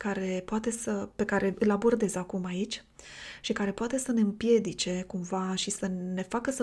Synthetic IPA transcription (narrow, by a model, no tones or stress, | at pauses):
kaɾe̞poat̪e̞səpe̞kaɾe̞ɨlabo̞rd̪e̞zakumait͡ʃʲ | ʃikaɾe̞poat̪e̞səne̞ɨmpje̞d̪it͡ʃe̞kumvaʃisəne̞fakəsə